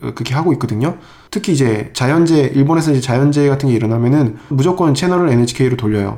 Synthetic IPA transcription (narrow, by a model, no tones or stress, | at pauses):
kɯɾʌkʰeɦaɡoik͈ʌdɯɲo | tʰɯkʰiːd͡ʑe̞t͡ɕajʌnd͡ʑe̞ʔiɭbone̞sʰʌid͡ʑe̞t͡ɕajʌnd͡ʑe̞ɡatʰɯnɡe̞iɾʌnamjʌnɯnmud͡ʑok͈ʌnt͡ɕʰenʌɾɯɭened͡ʑʰi̥kʰe̞iɾotoʎːʌjo̰